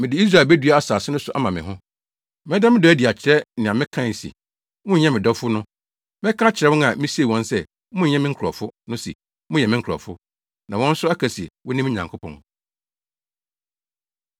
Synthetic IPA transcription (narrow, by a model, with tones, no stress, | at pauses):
mɪ̃˨dɪ˨i˦s̬ɾa˦˨bæ˦dɥa˦a˦saː˨sɪ˦nʊ̃˦sʊ˨ʔa̰˦mã˨mɪ̃˨ɦʊ̃˦ | mɛ̃˦da˦mɪ̃˦dɔ˨˦æ˦di˨a˨t͡ɕʰɪ˨ɾɛ˦nɪ̃˨ã˨mɪ̃˦kʰã˦˨n̩˨sḭ˨ | mʊ̃˦ɲ˦ɲɛ̃˦mɪ̃˨dɔ˦fʊ˦nʊ̃˦ | mɪ̃˦kʰã˦t͡ɕʰɪ˨ɾɛ˦wʊ̃˦ã̰˨mɪ̃˦si˦e˨wɔ̃˦nsɛ˦ | mʊ̃˦˨ɲɛ̃˦mɪ̃˦ŋ̩˦kʰɾɔ̰˨fʊ˦nʊ̃˦sḭ˨ | mʊ̃˦jɛ˨mɪ̃˦ŋ̩˦kʰɔ̰˨fʊ˦ | nã˨wɔ̃˦n̩˦sʊ˦a˦kʰæ˨si˨wɔ̃˦nɪ̃˦m˦ɲã˨ŋkʰʊ˦pʰɔ̰̃˨n